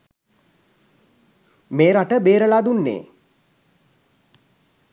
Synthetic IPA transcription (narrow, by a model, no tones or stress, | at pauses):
meːɾaʈəbeːɾəlaːd̪unːḛː